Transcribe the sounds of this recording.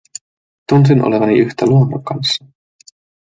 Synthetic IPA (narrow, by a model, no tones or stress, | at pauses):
t̪uns̬inʔo̰le̞ʋɑniʔyçt̪æluomːɑ̰kɑnsːɑ̥